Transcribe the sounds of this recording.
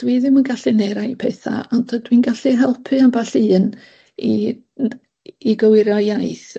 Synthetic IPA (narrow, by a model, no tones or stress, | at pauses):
d̥wiðɪmənɡaɬɨneːɾajpʰɛθa̰ɔntʰədwinɡaɬiɦɛlˠpʰɨanbaɬɨːn | i | iɡəwɪɾjɔjajθ